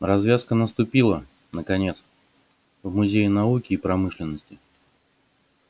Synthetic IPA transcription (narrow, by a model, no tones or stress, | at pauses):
rɐzvʲaskənəst̪ʊpʲilˠə | nəkɐnʲe̞t̪s | vmʊzʲejɪnɐukʲɪːpɾɐmɨʂlʲɪnːəsʲtʲɪ